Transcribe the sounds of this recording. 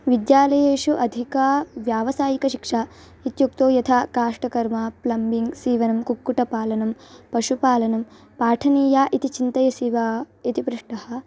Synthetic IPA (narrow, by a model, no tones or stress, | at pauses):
ʋid̪jaːlɐjeːʂuʔɐd̪ʱikɐʋjaːʋɐsaːjikɐʃikʂaː | it̪juk̚t̪oːjɐt̪ʰakaːʂʈɐkɐɾmaplɐmbiŋɡsiːʋɐnɐmkukːuʈɐpaːlɐnɐmpɐʃupaːlɐnɐm | paːʈʰɐniːjaːʔit̪it͡ʃint̪ɐjɐsiʋait̪ipɾuʂʈɐɦɐ̆